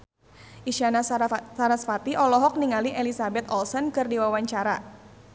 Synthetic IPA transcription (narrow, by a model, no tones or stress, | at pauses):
ʔiʃanasaɾasfat̪iʔɔlɔɦɔk̚niŋaliʔɛlisabɛt̪̚ɔlsɔnkɨrdiwawaɲt͡ʃaɾa